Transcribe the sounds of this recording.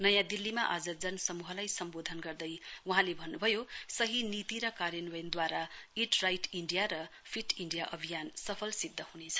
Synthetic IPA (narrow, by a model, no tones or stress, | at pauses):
nʌjãd̪ilːimaʔad͡zʌd͡zʌnsʌmuɦʌlajsʌmbod̪ʱʌnɡʌrd̪ʌjuɦãlebʱʌnːubʱʌjosʌɦinit̪iɾʌkaɾjʌnwʌjnd̪waɾaiʈrajʈʰiɳɖijaɾʌpʰiʈiɳɖijaʔʌbʱijansʌpʰʌlsid̪ʱːʌhunet͡sʰʌ̥